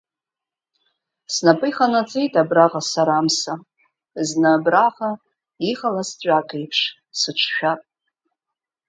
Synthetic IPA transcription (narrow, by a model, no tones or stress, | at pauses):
snapʼɨjχanat͡sʼejtʼabraʁasaɾamsa | znaːbraʁa | iχalast͡sʷʼakʼejpʰʂ | sɨʈ͡ʂʷʰʃᶣapʼ